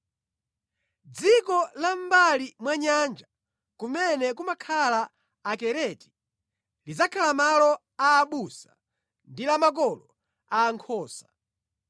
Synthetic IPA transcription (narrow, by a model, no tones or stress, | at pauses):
d͡zikɔlambalimwaɲand͡ʒa | kumɛnɛkumakʰalaː | kɛɾɛti̥ | lid͡zakʰalamalɔ | aːɓusa | ndilamak̬ɔlɔ | aːŋkʰɔːsḁ